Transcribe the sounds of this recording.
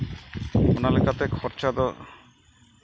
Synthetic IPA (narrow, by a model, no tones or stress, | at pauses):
unalekat̪ekʰɔɾt͡ʃad̪ɔ